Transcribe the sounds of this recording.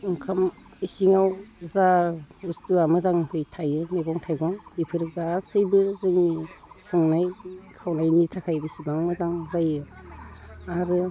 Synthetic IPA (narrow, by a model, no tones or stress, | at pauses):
ɯŋkʰam | isiŋawzaustuamɯzaŋhɯjtʰajɯmeɡɔŋtʰajɡɔŋipʰɯɾɡasɯjbɯzɯŋnisɯŋnajkʰawnajnitʰakʰajbisibaŋmɯzaŋzajɯ | aɾɯ